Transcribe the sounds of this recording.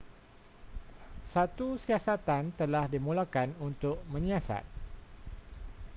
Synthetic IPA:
sat̪usiasat̪ant̪əlahdimũlakanunt̪ʊʔ̚mə̃ɲasa̰t̪̚

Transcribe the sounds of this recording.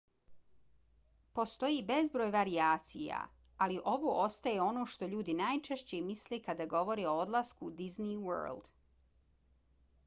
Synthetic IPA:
po̞st̪o̞jibe̞zbɾoːjʋaɾiaːt̪sija̰ | aliʔo̞ʋoʔost̪aje̞o̞no̞ʃt̪o̞ʎuːd̪inajt͡ʃeʃt͡ɕemisle̞kad̪aɡo̞ʋo̞ɾeo̞od̪laskud̪izniwə̰ːld̪̥

